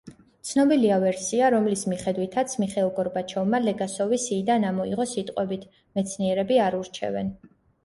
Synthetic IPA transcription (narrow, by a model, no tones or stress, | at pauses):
t̪sʰnɔbiliavɛɾsiaɾɔmlismiχɛd̪wit̪ʰat̪sʰmiχɛlˠɡɔɾbat͡ʃʰɔvmalɛɡasɔvisiːd̪anamɔiʁɔsit̪ʼqʼwɛbit̪ʰ | mɛt̪sʰniɛɾɛbiaɾuɾt͡ʃʰɛ̰vɛ̰n